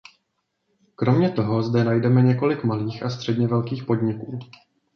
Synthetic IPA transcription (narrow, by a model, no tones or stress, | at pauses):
kɾo̞mɲɛt̪o̞ɦo̞zdɛnajdɛmɛɲɛko̞lɪkmaliːxast̪r̝̥ɛdɲɛvɛlkiːxpo̞dɲɪkuː